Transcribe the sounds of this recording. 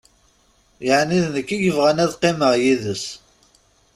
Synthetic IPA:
jəʕniðnəkːiʝəvʁænæðqːeməʁjiðəs

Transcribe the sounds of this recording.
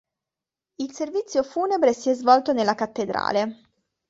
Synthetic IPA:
ilservit̪sːjofuːnebɾesiɛzvɔlt̪onelːakat̪ːed̪ɾa̰ːle

